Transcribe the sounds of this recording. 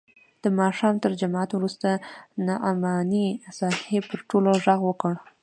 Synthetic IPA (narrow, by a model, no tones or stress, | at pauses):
d̪̥əmɑʃɑmt̪əɾd͡ʒamat̪wɾust̪anaʔamɑnisɑhepəɾʈoloʒaɣwəkəɽ